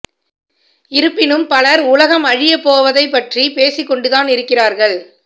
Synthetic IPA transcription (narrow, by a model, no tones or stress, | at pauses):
ɪɾɯpːɪnɯmpɐlɐɾʊlɐɣɐmɐɻɪjɐpːoːʋɐðɐɪpːɐʈripeːsɪkːɔɳɖɯðaːnɪɾɯkːɪraːɾɣɐɭ